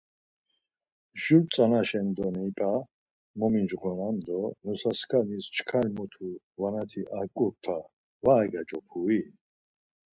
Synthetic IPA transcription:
ʒult͡sʼanaʃɛnd̪ɔnipʼa | mɔmind͡ʒʁɔnand̪ɔnusaskʰanist͡ʃʰkʰalmɔt̪ʰu | vanat̪ʰiʔakʼuɾt̪ʰa | vaːɡad͡ʒɔpʰui

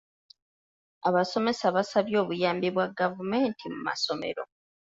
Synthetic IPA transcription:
aβaso̞me̞saβasaβjo̞ːβujaːmbiβwaɡavume̞ːntʰimuma̰so̞me̞̰ɾo̞̰

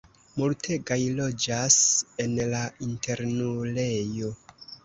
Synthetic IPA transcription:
multʰe̞ɡajlo̞d͡ʒase̞nlaintʰe̞ɾnulejo̞

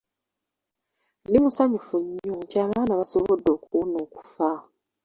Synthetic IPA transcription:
limusaɲufuɲːucaːβaːnaβasoβodːo̞ːkuwuno̞ːku̥fa

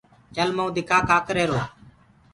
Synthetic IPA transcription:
t͡ʃəlməũd̪ɪkʰaːkaːkɾeːɾoː

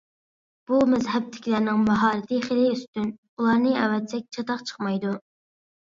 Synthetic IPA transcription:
b̥umɛzɦɛb̚t̪ʰɪ̥kʲlæɾnɪŋmɑɦɑːɾɪt̪ʰiχelɪyst̪yn | ulˠɑɾnɨɛ̰wɛt̪sɛk̚ʲt͡ʃʰɑt̪ɑqt͡ʃʰə̥χmɑjd̪u

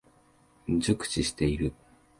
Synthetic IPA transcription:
d͡ʑɨkɯ̟̥t͡ɕiɕi̥t̪e̞iɾɯ̟

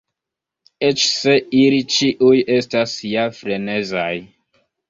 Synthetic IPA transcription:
et͡ʃseilit͡ʃiʔuje̞stasjafɾe̞ne̞zaj

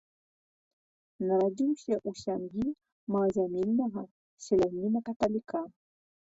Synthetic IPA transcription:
naɾad͡ʒimʃɛʔuʃaŋɡi | mazamilnaɦa | ʃɛlaminakatalika

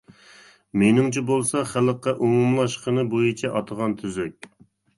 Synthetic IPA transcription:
menɪŋt͡ʃʰibolˠsɑχælqːɑʔumumlˠɑʃqənɨbojit͡ʃʰɛʔɑt̪ʰəʁɑnt̪ʰyzyk̚ʲ

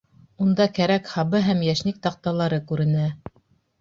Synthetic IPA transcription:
und̪ɑkæɾækhɑβɤɦæmjæʃnik̚t̪ɑq̚t̪ɑlˠɑɾɤkʉɾɘ̆næ

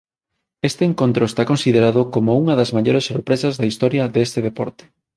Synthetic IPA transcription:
est̪eːŋkont̪ɾoest̪akõnsiðeɾaðʊkomouŋɐðɐzmaʎoɾesːoɾpɾesɐzðɐist̪ɔɾjɐðest̪eðepɔɾt̪e̥

